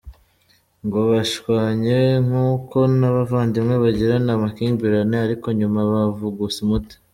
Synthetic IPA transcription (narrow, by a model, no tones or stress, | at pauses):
ŋɡoβaʃwaːɲeŋ̥uːko̞naβavaːndimŋe̞βaɟiɾanamakiːmbiɾaneaɾiko̞ɲumaβavuɡusimuti̥